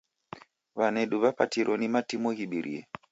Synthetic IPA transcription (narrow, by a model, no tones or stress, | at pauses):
βanɛɗuβapa̰tiɾʔɔnimatimɔɣiɓiɾʔḭɛ̰